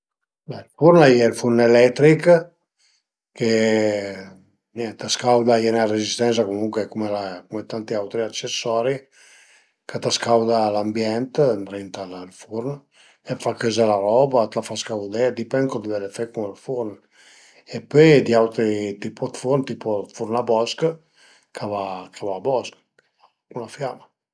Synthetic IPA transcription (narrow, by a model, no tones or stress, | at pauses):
bɛilfuɾnajɛlfurnelɛt̪ɾik | ke | nɛt̪askawd̪aɛnarezist̪ɛns̬akomuŋkwekumelakumet̪ant̪iawt̪ɾiat͡ʃesːɔɾi | kət̪askawd̪alambjɛnt̪nɾint̪allfuɾn | efakøzelaɾɔbat̪lafaskawd̪ɛd̪ipɛŋkɔd̪əvɛlefɛkumalfuɾn | epøjd̪iawt̪ɾit̪ipɔt̪fuɾnt̪iːpofuɾnabɔsk | kʰavakʰavaːbɔsk | kunlafjama